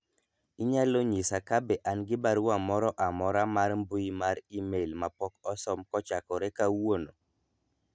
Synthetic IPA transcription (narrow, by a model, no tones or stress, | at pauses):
iɲaloɲisakabɛʔanɡɪbaɾuamɔɾɔʔamɔɾamaɾmbuimaɾimelmapɔkɔsɔmkɔt͡ʃakɔɾɛkawono